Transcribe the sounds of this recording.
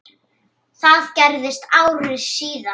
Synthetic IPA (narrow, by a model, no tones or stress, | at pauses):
θaðcɛɾðɪst̪aːwɾrɪsiːða